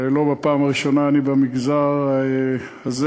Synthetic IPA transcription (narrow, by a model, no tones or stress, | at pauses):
lo̞bepaːmaʁiʃo̞naːnibamiɡzaʁe | az